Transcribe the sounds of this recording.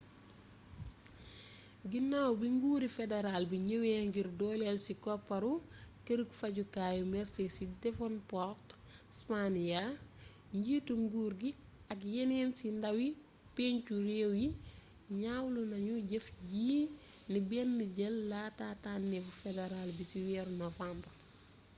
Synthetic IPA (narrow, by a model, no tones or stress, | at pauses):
ɡinːaːwbiŋɡuːɾifedeɾalbiɲəweːŋɡirdɔːlɛlsikɔpːɐɾukəɾəkfɐɟukaːjumɛrsesidɛfɔnpɔrt | spanija | ɲɟiːtuŋɡuːɾɡi | ɐkjeneːnsindɐwi | peːɲt͡ʃuɾewji | ɲawlunɐɲuɟefɟiː | nibɛnːəɟɛlːaːtaːtaːnːɛfufedeɾalbisiwɛɾnɔfampɐ